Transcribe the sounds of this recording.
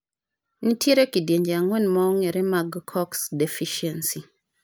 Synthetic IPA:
nitʰjeɾokidjeɲd͡ʒeaŋwɛnmɔŋeɾɛmaɡkʰɔksdefiʃiɛnsi

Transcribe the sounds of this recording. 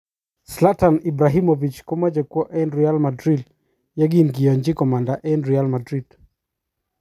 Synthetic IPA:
slatanibɾaɦimovit͡ʃkɔmad͡ʒɛkwɔʔɛnɾialmadɾid | jɛɡinɡijɔɲd͡ʒikɔmandaʔɛnɾialmadɾid̥

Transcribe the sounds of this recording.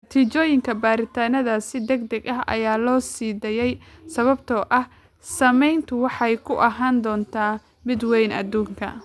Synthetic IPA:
t̪ʰit͡ʃɔːjɪŋkʰɐbaːɾɪt̪ʰaːnɐðaːsɪd̪ɛɡd̪ɐɡɐɦʔɐ̰jaːlɔːsiːd̪ɛjɛjsɐβɐb̚t̪ʰɔːʔɐh | sɐmɛjnt̪ʰʊwɑħɑjkʰʊʔɐɦaːnd̪ɔːnt̪ʰaː | mɪd̪wɛjnɐ̰d̪uːŋkʰɐ̰

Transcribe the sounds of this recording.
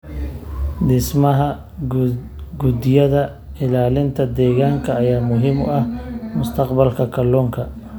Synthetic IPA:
d̪ɪsmɐɦɐ | ɡud̪ɪjɐðɐ | ɪlaːlɪnt̪ʰɐd̪ɛːɣaːŋkʰɐːjaːmʊɦɪmʊ̰ɐhmʊst̪ʰɐqbɐlkʰɐkʰɐlɔːŋkʰɐ

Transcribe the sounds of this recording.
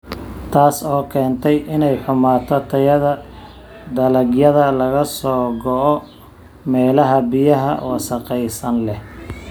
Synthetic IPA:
t̪ʰaːsɔːkʰɛːnt̪ʰɛjʔɪnɛjħʊmaːt̪ʰɔt̪ʰɐjɐðɐ | d̪ɐlɐɡjɐðɐlɐɣɐsɔːɡɔʔɔ | mɛːlɐɦɐbɪjɐɦɐ̰wɑsɐqɛjsɐnlɛh

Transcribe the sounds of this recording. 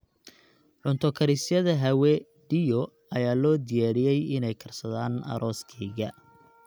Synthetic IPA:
ʕʊnt̪ʰɔkʰɐɾɪsjɐðɐɦɐwɛ | ɖijɔ | ɐjaːlɔːd̪ɪjaːɽɪjɛjɪnɛjkʰɐrsɐðaːnɐ̰ɾʔɔːskʰɛːɣɐ

